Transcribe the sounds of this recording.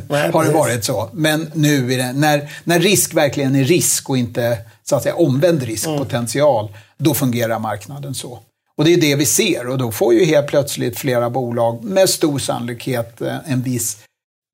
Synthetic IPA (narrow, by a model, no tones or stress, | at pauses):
haɖɛvɑːɾɪt̪sɔmɛnːʉ̟ːæɖɛnæɾnæɾːɪskvæɾklɪɡənæːɪskɔɪnt̪əsʊat̪sɛjːa̰ʔɔmvɛnd̪ɾɪsk̚pʰʊt̪ʰɛnsɪɑːld̪ɔfɵŋɡeːɾaɾmaɾknad̪ənsɔ | ɔd̪ɛjɵd̪ɛvɪseːɾɔd̪ɔfoɾjɵɦeːlt̪̚pʰlœt̪slɪ̰t̪fleːɾabuːlɑːɡmɛd̪st̪uːɾʂa̰nʊlɪkheːt̪ɛnvɪs